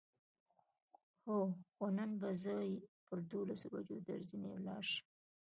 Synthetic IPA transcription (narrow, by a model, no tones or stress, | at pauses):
hoxonanbazɑjpəɾd̪olasoba̰d͡ʒod̪ə̰ɾzinewlɑ̰ɾʃ